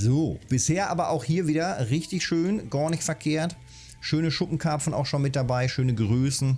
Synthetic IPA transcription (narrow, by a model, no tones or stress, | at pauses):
zoːb̥ɪsheːɐʔaːbɐʔa̰ʊxhiːɐviːdɐʁɪçtɪçʃøːnɡ̥aɐnɪçtfɛɐkʰeːɐt | ʃøːnəʃʊpm̩kʰaɐpfn̩a̰ʊxʃonmɪt̚d̥abaɪʃøːnəɡʁøːsn̩